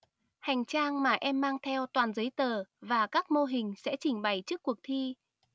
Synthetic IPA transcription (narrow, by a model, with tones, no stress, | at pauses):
ha˨˩jŋ̟t͡ɕaː˧ŋmaː˨˩ʔɛ˧mːaː˧ŋt̪ʰɛ˧wt̪waː˨˩nzə˨˦jt̪əː˨˩vaː˨˩kaː˦˥k̚mo˧ɦï˨˩ŋ̟sɛ̰˧˥t͡ɕï˧˩ŋ̟ɓa˨˩jt͡ɕɨ˦˥əkːwək̚t̪ʰi˧